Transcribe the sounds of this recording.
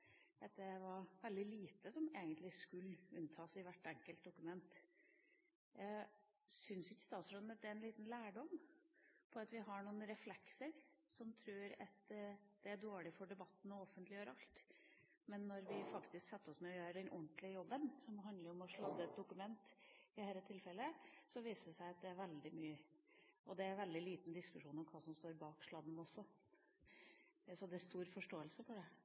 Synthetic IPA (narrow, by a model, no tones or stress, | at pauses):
d̪ɛt̪ːəʋɑɾʋɛld̪ɪliːt̪əsɔmeːɡənt̪lɪskʉlːʉnt̪ʰɑːsɪʋæʈːɛŋkəlt̪̚d̪ʊkʉmɛnt̪ | sʏnsɪçəst̪ɑːt̪sɾonnət̪̚d̪ɛɾɛnliːt̪n̩læːɖɔm | pʰɔɑt̪ʋɪɦɑɳuːənɾɛflɛksəɾsɔmt̪ʰɾʉːɾɑ̰t̪d̪̥ɛæɖoːɭɪfɔɖɛbɑt̪ːn̩ɔɔfənt̪lɪjøːɾɑlt̪ | mɛnːɔɾʋɪfɑkt̪ɪsksɛt̪ːəɾɔsmɛɔjøːɾəɖ̪ɛnʔɔɳt̪lɪəjɔbːənsɔmɦɑnd̪ləɾɔmɔʂlɑd̪ːəɛt̪̚d̪ʊkʉmɛnt̪ɪhæːlət̪ʰɪlfɛləsɔʋiːsəʂæɪɑt̪̚d̪ɛæɾʋɛld̪ɪmyːəɔd̪ɛæɾʋɛld̪ɪliːt̪n̩d̪ɪskʉʂuːnɔmkʰɑːsɔmst̪oːɾbɑːkʂlɑːd̪n̩ɔsːɔ | sɔd̪ɛæst̪uːɾfɔʂʈoːəlsəfɔɖɛ